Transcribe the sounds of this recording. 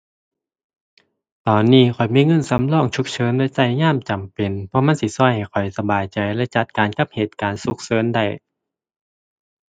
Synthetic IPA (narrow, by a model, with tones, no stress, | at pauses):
t̪ɔː˨nːiː˧˥˩kʰɔ˨˩jmiː˧˥˨ŋɤ˧˥˨nsa˨˦mlɔː˧˩˨ŋt͡ɕʰu˧˥k̚t͡ɕʰɤː˨˦nlːsa˧˩jɲaː˧˥˨mt͡ɕa˨mpe˨npʰɔ˧˦ma˧˥˨nsi˧˩sɔ˧˥˨jha˨˩jkʰɔ˨˩jsa˧baː˨jt͡ɕa˨˩jlɛ˧˥˨t͡ɕa˧˥t̪̚kaː˨nka˧˥p̚heː˨˩t̪̚kaː˨nsu˧˥k̚sɤː˨˦˥nda˧˩j